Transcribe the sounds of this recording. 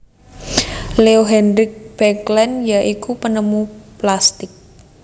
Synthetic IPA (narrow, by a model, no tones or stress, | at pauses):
leoɦɛndɾɪk̚b̥ɛklɛnjaʔikupənəmuplast̪ɪk̚